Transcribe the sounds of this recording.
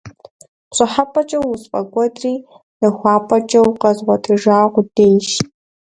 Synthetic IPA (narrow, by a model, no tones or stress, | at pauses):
ɕʷʼɨħapʰʼɐt͡ʃʼɐwʊspʼɐɡʷɔdʼriː | nɐxʷɑːpʰʼɐt͡ʃʼɐwqɐzʁʷɔtʰʼɨʒaːʁʷʊdeːjʃ